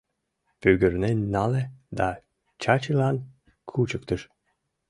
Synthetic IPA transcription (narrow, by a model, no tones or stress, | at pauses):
pyɡəɾnenɑled̪a | t͡ɕat͡ɕilan | kʰut͡ɕək̚t̪əʃ